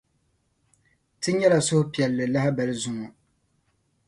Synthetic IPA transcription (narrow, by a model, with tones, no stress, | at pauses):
tɨ˦ɲɛ˦la˨sʊ˦hʊ˦pi˨ɛ˨lːɨ˨la˦hɪ˦bɛ˨lɨ˦zʊ˨ŋɔ˨